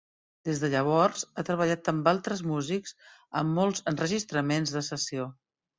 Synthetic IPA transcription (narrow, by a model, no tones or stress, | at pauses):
d̪ezðəʎəβ̞ɔɾzat̪ɾəβəʎat̪əmbalˠt̪ɾəzmuzikz̥əmːɔlˠzənrəʒist̪ɾəmenzðəsəsio